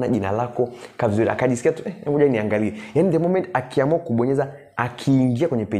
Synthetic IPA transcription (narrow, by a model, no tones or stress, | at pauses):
na̰ʄina̰lakɔkavizuɾia̰kaʄisi̥kiatuɛɛmbuʄaniaŋɡaliɛjanidɛmɔmɛntakiamuakuɓɔɲɛza | akʰiːŋɡiakwɛɲɛpɛ